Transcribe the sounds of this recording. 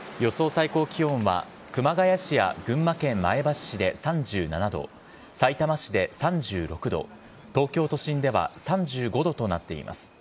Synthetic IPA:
jo̞so̞ːsaiko̞ːkʲiõ̞ɰ̃βa̰ | kɯ̟maɡajaɕija̰ɡɯ̟̃mːakẽ̞mːae̞baɕid̪e̞sãɲd͡ʑɨːnanad̪o̞̰ | sait̪amaɕid̪e̞sãɲd͡ʑɨːɾo̞kɯ̟d̪o̞̰ | t̪o̞ːkʲo̞ːt̪o̞ɕĩnd̪e̞βa̰sãɲd͡ʑɨːɡo̞d̪o̞t̪o̞nat̪ːe̞ḭmʔa̰sɨ̥

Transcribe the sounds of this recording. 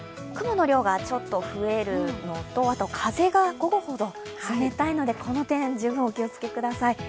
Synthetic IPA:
kɯ̟monoɾʲo̞ːɡat͡ɕo̞t̪ːo̞ɸɯ̟e̞ɾɯ̟no̞t̪o̞at̪o̞kʰaze̞ɡaɡo̞ɡoho̞d̪o̞ | sɨme̞t̪aino̞d̪e̞kʰo̞no̞t̪ẽ̞d͡ʑɨːbɯ̟̃okʲiot͡sɨ̥kʲe̞kɯ̟d̪asai

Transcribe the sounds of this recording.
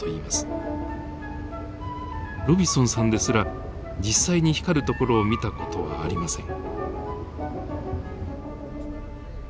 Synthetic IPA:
oiːmasɨ̥ | ɾobʲisõɰ̃sãnd̪e̞sɨɾa | d͡ʑisːaiɲ̟içi̥kaɾɯ̟t̪o̞ko̞ɾo̞ːmʲit̪ako̞̥t̪o̞βa̰ːɾʲimasẽ̞ŋ

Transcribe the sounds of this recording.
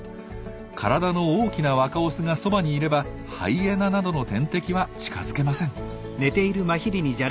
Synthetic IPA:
kʰaɾad̪ano̞oːkʲinaβakaosɨŋaso̞baɲ̟iːɾe̞ba | ha̰ie̞nanad̪o̞no̞t̪ẽ̞nt̪e̞kʲiβat͡ɕi̥ka̰zɨke̞masẽ̞ŋ | ne̞t̪e̞iɾɯ̟maçʲiɾʲiɲ̟id͡ʑa

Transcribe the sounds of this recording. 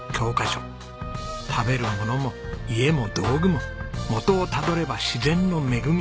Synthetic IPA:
kʲʰo̞ːkaɕo | t̪ʰabe̞ɾɯ̟mo̞no̞mo̞ie̞mo̞d̪o̞ːɡɯ̟mo̞mo̞t̪o̞ːt̪ad̪o̞ɾe̞baɕizẽ̞nːo̞me̞ɡɯ̟mʲi

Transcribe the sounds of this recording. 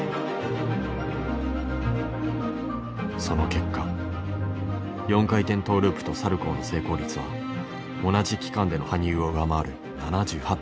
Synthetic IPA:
so̞no̞ke̞kːa | jõ̞ŋkait̪ẽ̞nt̪o̞ːɾɯ̟ːpɯ̟̥t̪o̞saɾɯ̟ko̞ːno̞se̞ːko̞ːɾʲit͡sɨβa̰ | o̞naʑikʲi̥kãnd̪e̞no̞haɲ̟iɯːo̞ɯ̟amaːɾɯ̟̰ | nanaʑɨːha

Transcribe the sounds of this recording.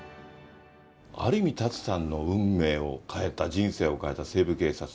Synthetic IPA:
a̰ɾɯmʲit̪at͡sɨ̥sãnːo̞ɯ̟̃mːe̞ːo̞kʰae̞t̪ad͡ʑĩɰ̃se̞ːo̞kae̞t̪ase̞ːbɯ̟ke̞ːsat͡sɨ̥

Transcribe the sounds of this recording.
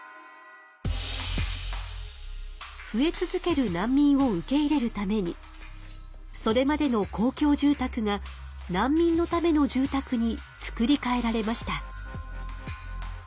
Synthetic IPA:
ɸɯ̟e̞t͡sɨzɨke̞ɾɯ̟nãmʲːĩɰ̃o̞ɯ̟ke̞iɾe̞ɾɯ̟t̪ame̞ɲ̟ḭ | so̞ɾe̞mad̪e̞no̞kʰo̞ːkʲo̞ːʑɨːt̪akɯ̟ŋa | nãmːʲĩnːo̞t̪ame̞no̞d͡ʑɨːt̪akɯ̟ɲ̟it͡sɨ̥kɯ̟ɾʲikae̞ɾaɾe̞maɕi̥t̪a

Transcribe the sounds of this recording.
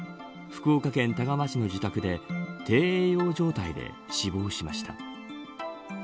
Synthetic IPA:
ɸɯ̥kɯokakẽ̞nt̪aɡamat͡ɕino̞d͡ʑit̪akɯ̟d̪e̞t̪ʰe̞ːeːjo̞ːʑo̞ːt̪aid̪e̞̰ | ɕibo̞ːɕimaɕi̥t̪a̰

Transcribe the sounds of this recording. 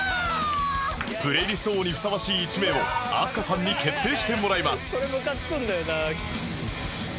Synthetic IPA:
pɯ̟ɾe̞iɾʲist̪o̞ːɲ̟iɸɯ̟̥saβaɕiːt͡ɕime̞o̞a̰sɨ̥kasãɲ̟ːike̞t̪ːe̞ːɕi̥t̪e̞mo̞ɾaimasɨ̥soɾemokat͡sɨ̥kõnd̪ajona

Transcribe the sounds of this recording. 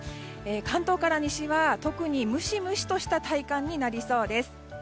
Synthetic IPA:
eːkãnt̪o̞ːkaɾaɲ̟iɕiβat̪o̞kɯ̟ɲ̟imɯ̟ɕimɯ̟ɕi̥t̪o̞ɕi̥t̪at̪aikãɲ̟ːinaɾʲiso̞ːd̪e̞sɨ̥

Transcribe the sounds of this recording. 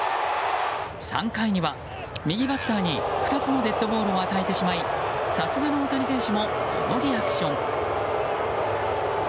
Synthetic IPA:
sã̰ŋkaiɲ̟iβa | mʲiɡʲibat̪ːaːɲ̟iɸɯ̟t̪at͡sɨno̞d̪e̞t̪ːo̞bo̞ːɾɯ̟oat̪aet̪e̞ɕimaisasɨɡano̞ːt̪aɾʲisẽ̞ɰ̃ɕɨmo̞kʰo̰no̞ɾʲiakɯ̥ɕõ̞ŋ

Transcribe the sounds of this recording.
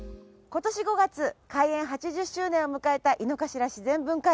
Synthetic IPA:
ko̞t̪o̞ɕiɡo̞ɡat͡sɨkaiẽ̞ɰ̃ɦat͡ɕiʑɨɕːɨːnẽomɯ̟kae̞t̪aʔino̞kaɕiɾaɕizẽ̞mbɯ̟̃ŋka

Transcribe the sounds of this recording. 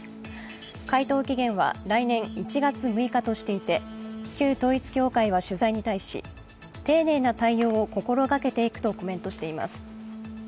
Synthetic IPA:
kait̪o̞ːkʲiɡẽ̞ɰ̃βa̰ɾainẽ̞ŋit͡ɕiɡat͡sɨmɯ̟ikat̪o̞ɕi̥t̪e̞it̪e̞kʲɨːt̪o̞ːit͡sɨ̥kʲo̞ːkaiβ̞aɕɨzaiɲ̟it̪aiɕḭ | t̪e̞ːne̞ːnat̪aijo̞ːko̞ko̞ɾo̞ɡake̞t̪e̞ikɯ̟̥t̪o̞ko̞mẽ̞nt̪o̞ɕi̥t̪e̞ima̰sɨ̥

